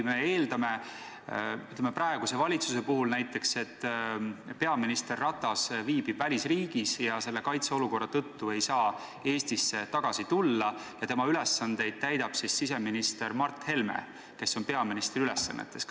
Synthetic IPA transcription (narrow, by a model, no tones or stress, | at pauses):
me̞eːld̪ɑme̞ | yt̪lemepɾɑeɡ̥use̞vɑlʲit̪suse̞puɦulnæjt̪ːˑe̞kse̞t̪ːˑ | pe̞ɑminist̪e̞rːɑt̪ːˑɑsviːb̥i̥vælʲisriːɡisjɑse̞lːe̞kɑjt̪seo̞luko̞rːɑt̪ɤt̪ːue̞jsɑː | e̞ːst̪isːe̞t̪ɑɡ̥ɑsit̪ulːɑjɑt̪e̞mɑyle̞sːɑnd̪̥e̞jd̪̥̚t̪æjd̪̥ɑb̥sisːis̬e̞minist̪e̞ɾmɑrt̪ːhe̞lmḛ | ke̞sːo̞npe̞ɑminist̪riylesːɑ̰nːḛt̪ːˑe̞s